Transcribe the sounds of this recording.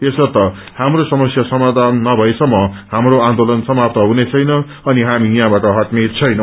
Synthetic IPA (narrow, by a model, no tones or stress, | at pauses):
t̪esʌt̪ʌ | hamrosʌmʌsjasʌmad̪ʱanːʌbʱʌesʌmːʌhamroand̪olʌnsʌmap̚t̪ʌɦunet͡sʰʌjnʌ | ʌniɦamijãbaʈʌɦʌt̪met͡sʰʌjnʌ̃